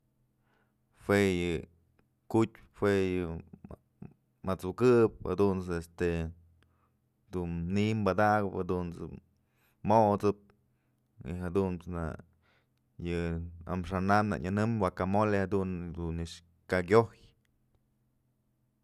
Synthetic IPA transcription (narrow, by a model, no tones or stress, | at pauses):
fwejɨ | kut̚ʲ | fwejɨ | mat͡sukɨp̚ha̰d̪unt͡sest̪e | d̪unnimbad̪aɡɨphad̪unt͡sɨ̰ | moʔt͡sɨp̚ | ḭhad̪unsna̰ | jɨa̰mʂanana̰ɲɨnɨmwakamolehad̪und̪uniʂ | kaɡʲoj